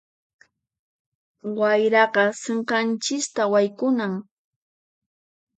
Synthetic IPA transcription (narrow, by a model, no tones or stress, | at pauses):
wajɾɑɢɑseɴqɑnt͡ʃɪst̪awajkʊnaŋ